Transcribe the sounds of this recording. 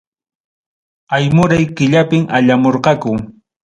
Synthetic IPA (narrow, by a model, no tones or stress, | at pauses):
ajmʊɾajkɪʎapɪmaʎamoɾqɑkʊ